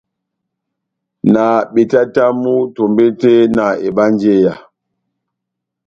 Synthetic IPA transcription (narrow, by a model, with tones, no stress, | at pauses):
na˨ɓe˨ta˦ta˦mu˦to˨mbe˦te˦na˨e˨ɓa˦nd͡ʒe˦ja˨